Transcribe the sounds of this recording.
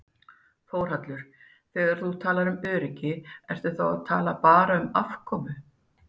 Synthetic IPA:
foːwr̥at̪lʏɾ̥ | θɛːɣaɾ̥θut̪ʰaːlaɾʏmœːɾɪcɪɛr̥t̪ʏθawaðt̪ʰaːlapaːɾaʏmafkʰɔːmʏ

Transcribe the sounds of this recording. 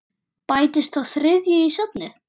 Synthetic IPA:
paːjt̪ɪst̪awθɾɪðjʏisœpnɪ

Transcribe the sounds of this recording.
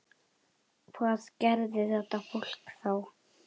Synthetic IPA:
kʰvaðcɛɾðɪθɛht̪afol̥kθaw

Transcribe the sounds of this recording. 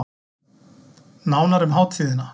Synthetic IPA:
naːwnaɾʏmɦaːwt̪fiːðɪna

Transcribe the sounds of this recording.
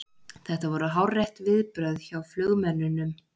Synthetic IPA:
θɛht̪avɔɾʏɦawrːɛjht̪vɪðpɾœɥðçawflœɣmɛnːʏnːʏm

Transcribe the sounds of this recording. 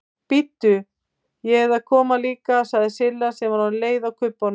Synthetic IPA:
pɪt̪ːʏ | jɛɛðaðkʰɔːmaliːkasaɣðɪsɪlːasɛmaɾanleːjðawkʰʏpːan

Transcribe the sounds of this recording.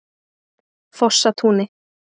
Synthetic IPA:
fɔʂːat̪ʰuːnɪ

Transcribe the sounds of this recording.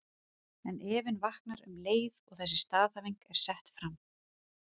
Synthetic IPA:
ɛnʔɛːvɪnvahknaɾʏ̰mleːjðɔɣθɛs̬ːɪst̪aːðθavejŋkɛɾ̥sɛht̪fɾam

